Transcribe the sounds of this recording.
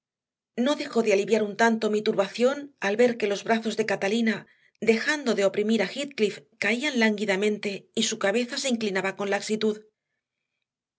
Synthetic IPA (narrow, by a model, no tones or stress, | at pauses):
no̞ðe̞xo̞ðealiβjaɾunt̪ant̪o̞mit̪uɾβaθjo̞nalβe̞ɾke̞lo̞zβɾaθo̞zðe̞kat̪alina | d̪e̞xand̪o̞ðe̞o̞pɾimiɾaxit̪̚klifkaianlaŋɡiðamẽ̞nt̪e̞isukaβe̞θase̞iŋklinaβako̞nlaksit̪uð